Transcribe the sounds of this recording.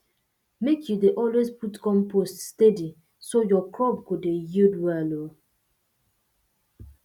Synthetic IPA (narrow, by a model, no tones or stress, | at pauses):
mekʰjudeʔɔlwezputkɔ̃mpʰoststedi | sojɔklɔb̚kudejidwɛlo